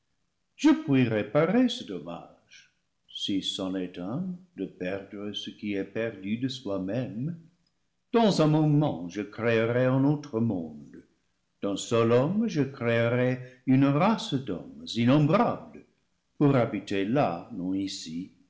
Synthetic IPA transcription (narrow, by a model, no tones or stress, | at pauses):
ʒ̥əpwiʁepaʁesədoma̰ | ʒ̥ | sisɑ̃netɛ̃d̪əpɛʁd̪ʁəsəkiɛpɛʁd̪yd̪əswamɛm | d̪̥ɑ̃zɛ̃momɑ̰̃ʒəkreəʁɛə̃not̪ʁəmɔ̃d̪ | d̪̥ə̃sɔlɔmʒəkreəʁɛynʁasd̪ɔ̰mzinɔ̃mbʁablə | puʁabitelanɔ̃isi